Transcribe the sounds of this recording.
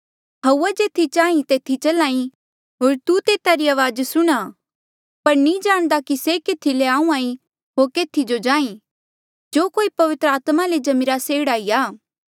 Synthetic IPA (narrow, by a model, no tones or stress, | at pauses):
ɦɐuːad͡ʒeːt̪ʰit͡ʃaːĩt̪eːt̪ʰːit͡ʃɐlaːĩ | ɦoːɾt̪ut̪eːt̪aɾiaːʋaːd͡ʒsʊɽ̃a | pɐɾnĩd͡ʒaːɽ̃d̪akisekeːt̪ʰileãːũãːĩ | ɦoːɾkeːt̪ʰid͡ʒod͡ʒãːĩ | d͡ʒoːkoːipɐʋɪt̪ɾəaːt̪maled͡ʒɐmɪɾaseːɽaːiaː